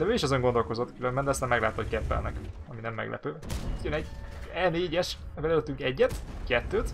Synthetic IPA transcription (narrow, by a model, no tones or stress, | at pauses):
d̪ɛøːiʃɒzoŋɡo̞nd̪o̞lko̞zo̞t̪kylømbɛnd̪ɛɛst̪ɛmːɛɡlaːt̪ːɒɦockɛpːɛ̰lnɛkɒminɛmːɛ̰ɡlʔɛ̰pøːt̪jønɛɟːɛneːɟɛʃ | bɛlɛløt̪ːyŋkɛɟːɛt̪kɛt̪ːøːt̪